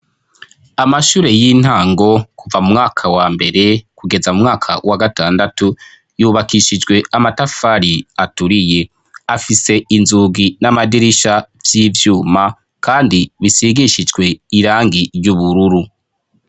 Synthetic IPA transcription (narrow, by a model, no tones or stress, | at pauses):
amaʃuːɾe̞jin̥haːŋɡo̞kuvamumŋaːkʰawaːmbe̞ɾe̞kuɡe̞zamumŋaːkʰawaɡataːndatu | juːβakiʃid͡ʒɡwe̞amatafaɾiatuɾije̞ | afise̞inzuːɡinamadiɾiʃavjiːvjuːma | kaːndiβisiɡiʃid͡ʒɡwe̞iɾaːŋɡiɾjuβuɾuɾu